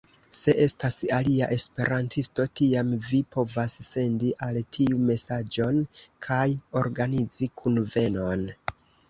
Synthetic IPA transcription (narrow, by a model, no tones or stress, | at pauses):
se̞ʔe̞stasaliaʔe̞spe̞̰ɾantʰisto̞tiamvipo̞vasse̞ndiʔaltʰiume̞sad͡ʒo̞nkʰajo̞ɾɡanid͡zikʰunve̞no̞n